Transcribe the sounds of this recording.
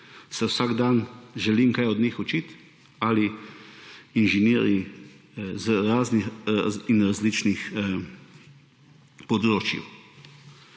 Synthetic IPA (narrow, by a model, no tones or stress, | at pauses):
sɛwsaɡd̪anʒɛliːmkajɔd̪niːxɔt͡ʃit̪ | ali | inʒɛnɛːɾi | zɾaːzniinɾazliːt͡ʃnix | pɔd̪ɾoːt͡ʃjḭw